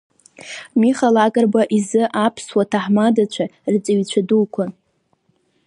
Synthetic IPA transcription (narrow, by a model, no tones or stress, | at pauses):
miχalakʼarbaʔizɨʔapʰswatʰaħmadat͡ɕʷʰart͡sʼaɥt͡ɕʷʰadulkʷʰa